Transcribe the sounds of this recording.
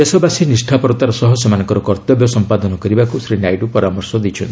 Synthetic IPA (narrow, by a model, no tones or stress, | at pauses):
esɔbasinisʈʰapɔɾt̪aɾɔsɔɦɔsɔmanɔ̃ŋkɔɾɔkɔɾt̪ɔbjɔsɔmpad̪ɔnɔkɔɾibakusɾinajʈupɔɾamɔɾsɔd̪it͡ʃʰɔ̰nt̪ʰ